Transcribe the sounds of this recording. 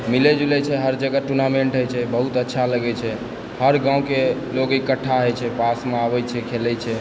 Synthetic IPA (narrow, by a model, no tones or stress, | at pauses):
milɛd͡ʒulɛt͡ʃʰɛɦəɾd͡ʒəɡəʈuɾnameɳʈɦəjt͡ʃʰɛbəɦut̪ətːʃʰaləɡɛt͡ʃʰɛ | həɾɡãwũkeloɡikəʈʰːaɦəjt͡ʃʰɛpasmeabɛt͡ʃʰɛkʰelɛt͡ʃʰɛ